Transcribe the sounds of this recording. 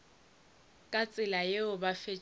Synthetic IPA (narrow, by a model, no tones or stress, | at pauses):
kʼat͡sʼɪlajeʊbafe